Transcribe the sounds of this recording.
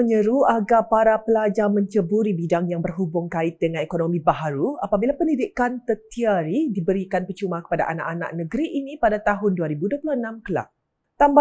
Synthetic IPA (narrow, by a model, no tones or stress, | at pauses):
əɲəɾuaɡapaɾapəlad͡ʒamə̃ɲt͡ʃəbuɾibidaŋjaŋbərɦubʊŋkaɪt̪̚dəŋãnekonõmĩbaɦaɾua̰pabilapəndidikant̪ət̪iaɾidibəɾikanpət͡ʃumakə̥pada̰ʔana̰ʔana̰ʔ̚nə̃ɡəɾiʔinĩpadat̪aɦʊnduaɾibuduapulohənãmkəla̰ | t̪amba